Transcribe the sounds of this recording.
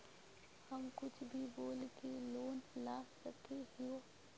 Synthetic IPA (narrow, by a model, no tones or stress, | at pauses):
hɐmkʊt͡ʃʰbʱiboːlkeloːnlaːssɐkʰeɦɪjoː